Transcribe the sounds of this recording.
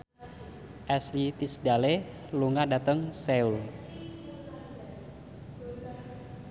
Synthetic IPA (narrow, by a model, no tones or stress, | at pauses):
ʔɛslit̪isdale | luŋadat̪əŋsɛul